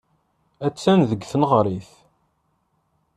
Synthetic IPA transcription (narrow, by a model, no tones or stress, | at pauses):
æt͡sːænðəɡːθənʁɾˤiθ